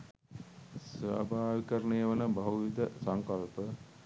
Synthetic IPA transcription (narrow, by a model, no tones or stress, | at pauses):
sʋa̰bʱaːʋikəɾənejəʋənəbɐɦuʋid̪əsaŋkɐlpə